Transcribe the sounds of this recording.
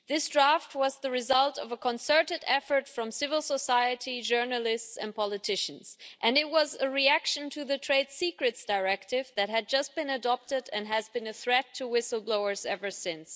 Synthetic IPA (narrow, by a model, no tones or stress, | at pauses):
ðɪsd̥ɹæft̚wʌzðəɹɨzʌlˠtʌvəkʰə̃nsɜ˞ɾɨɾɛfə˞tfɹʌ̃msɪvəl̩ˠsəsaɪɨɾid͡ʒɜ˞nəlˠɪstsɨ̃n̚pʰɑlˠɨtʰɪʃn̩zʔɨ̃nɨt̚wʌzəɹiækʃɨ̃ntʰɨðɨtʰɹ̥eɪd̥sikɹɨtsd̥aɪɹɛk̚tɪvðɨt̚ɦɨd̚d͡ʒʌst̚b̥ɨ̃nɨdɑp̚tɨɾɨ̃nɦɨzbɨ̃nɨθɹɛtʰɨwɪsl̩ˠbloʊə˞zɛvə˞sɪ̃ns